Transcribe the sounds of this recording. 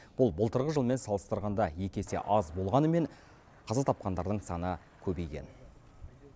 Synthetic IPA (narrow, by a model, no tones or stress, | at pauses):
b̥ʊlˠbəlˠt̪əɾʁəʒəlˠme̞nsɑlˠəst̪əɾʁɑnd̪ɑje̞kʲe̞sḛʔɑzbo̞lˠʁɑnəme̞ɴ | qʰɑzɑt̪ʰɑp̚qɑnd̪ɑɾd̪əɴsɑnə | kʲʰɵbe̞jkʲḛn